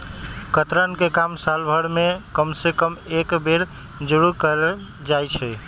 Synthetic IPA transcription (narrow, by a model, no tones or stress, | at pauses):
kət̪ɾənkekamsalbʱəɽmekəmsekəmekbeɾ | d͡ʒuɾukəɾɛ | d͡ʒajt͡ʃʰɛ